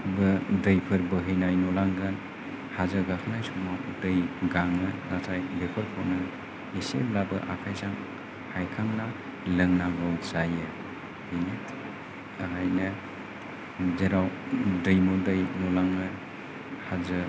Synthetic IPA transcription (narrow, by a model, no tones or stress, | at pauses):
bɯdɐjpʰɯɾbɯɦɯjnajnɔlaŋɡɯn | hazɐɡakʰɯnajsuŋmawdɯjɡaŋɯnatʰajbepʰɯɾpʰawnɯ | iseblabɯ̰ʔakʰajsaŋ | hajkʰaŋna | lɯŋnaɡawsajɯ | hɯjnɯ | ɦajnɐ | zeɾawdɐjmɔndɐjnɔlaŋɯ | hazɯ